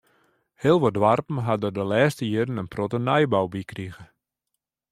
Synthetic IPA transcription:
heəlˠʋodʋarpn̩ɦadədəlɛːstəjiəɾənənprotənɛjbawbikriɣə

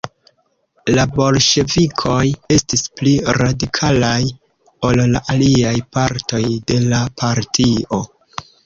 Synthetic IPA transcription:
labo̞lʃe̞vikʰo̞je̞stispliɾadikʰalaj | o̞lla̰ʔaliajpaɾto̞jde̞lapʰaɾtʰio̞

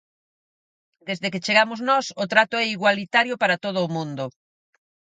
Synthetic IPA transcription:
d̪ezðeket͡ʃeɣamʊznɔsʊt̪ɾat̪ʊɛiɣwalit̪aɾjʊpaɾat̪oð̞ʊːmũnd̪ʊ

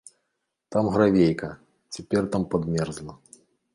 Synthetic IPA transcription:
t̪amɣɾavʲejkɐ | t͡sʲapʲɛrt̪ampad̪mʲɛrzlˠɐ

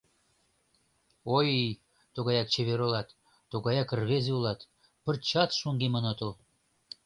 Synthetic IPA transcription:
ojij | t̪uɣɑjɑk̚t͡ɕeβeɾolɑt̪ː | uɣɑjɑkərβezeulɑt̪ | pə̆rt͡ɕɑt̪ʃuŋɡemənot̪əl

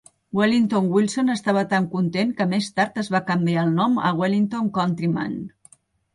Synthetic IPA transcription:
welint̪onwilˠsonəst̪aβ̞ət̪aŋkunt̪enkəmest̪aɾt̪əzβakəmbiaːlˠnɔmə̰ɣwelint̪oŋkɔnt̪ɾima̰n

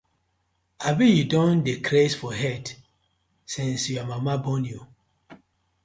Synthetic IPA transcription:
abĩjudɔ̃ndekʰɾesfɔɦɛt | sĩnsjuamamabɔ̃nju

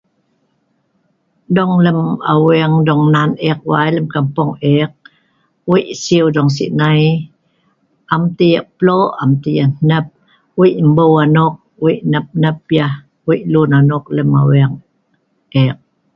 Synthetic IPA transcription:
dɔŋləma̰wiəŋdɔŋnanek̚wa̰jləmkampoŋek̚ | wiʔsiudɔŋs̬ḭʔnaj | ʔamt̪ijəʔploʔamtijannəp̚ | wiʔmbəwanʊk̚wiʔnəp̚nəp̚ja | wiʔlunanʊk̚ləma̰wiaŋ | ʔek̚

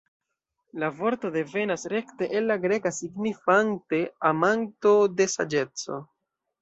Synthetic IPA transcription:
lavo̞ɾto̞de̞ve̞nasɾe̞kte̞ʔelːaɡɾe̞kasiɡnifante̞amanto̞de̞sa̰d͡ʒe̞t͡so̞̰

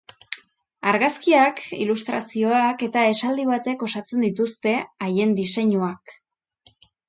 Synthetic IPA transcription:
aɾɣaskiakḭlust̪ɾasio̞ake̞t̪ae̞sald̪iβ̞at̪e̞ko̞sat͡se̞nd̪it̪ust̪e̞aje̞nd̪ise̞ɲuak

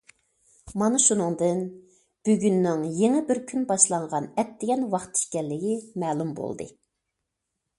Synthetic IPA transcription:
mɑnɨʃunɨŋd̪ɨn | b̥yɡʲynːɪŋjeŋɪbɪɾkʲʰynbɑʃlˠɑɴʁɑnɛt̪ːɪɡʲɛnwɑχt̪ʰi̥ʃkʲɛlːɪɡʲimɛːlˠumbo̰lˠd̪ɨ̰

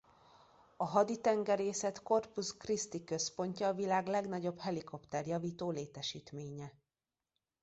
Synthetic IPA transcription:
ɒɦɒd̪it̪ɛŋɡɛɾeːsɛt̪ko̞rpuskrist̪ikø̞spo̞ɲcɒːvilaːɡlɛɡnɒɟo̞bhɛliko̞pt̪ɛrjɒviːt̪oːleːt̪ɛʃiːt̪meːɲɛ

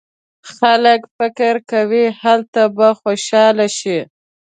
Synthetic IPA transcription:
xaləkfɪkɪɾkawihalt̪abaxoʃɑlaʃi

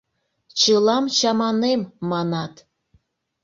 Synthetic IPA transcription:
t͡ɕəlɑmt͡ɕɑmɑnemːɑnɑt̪

